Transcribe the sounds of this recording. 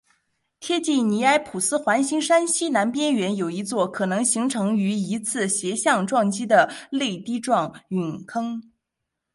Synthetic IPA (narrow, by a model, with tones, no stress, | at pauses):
t̪ʰjɛ˥t͡ɕi˥˩ni˧˥a˥ɪpʰu˨˩sɹ̩˥xwa˧˥nɕi˥ŋʂa˥nɕi˥na˧˥npjɛ˥nɥɛ˧˥njo˨˩ʊi˧˥t͡swɔ˥˩kʰɤ˨˩nɤ˧˥ŋɕi˧˥ŋʈ͡ʂʰɤ˧˥ŋy˧˥i˧˥t͡sʰɹ̩˥˩ɕjɛ˧˥ɕjɑ˥˧ŋʈ͡ʂwɑ˥˩ŋt͡ɕi˥d̪ə˨le˥˧ɪt̪i˥ʈ͡ʂwɑ˥˩ŋy˨˩nkʰɤ˥ŋ